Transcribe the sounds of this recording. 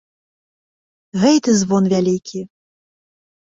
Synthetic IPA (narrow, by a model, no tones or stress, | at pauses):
ɣɛjt̪ɨzvɔnvʲalʲikʲʰi